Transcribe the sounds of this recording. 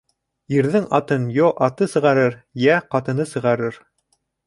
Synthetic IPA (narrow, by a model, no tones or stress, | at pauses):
jɘ̆ɾðɘŋɑt̪ɤnjoʔɑt̪ɤsɤ̆ʁɑɾɤɾjæqɑt̪ɤ̆nɤsɤ̆ʁɑɾɤɾ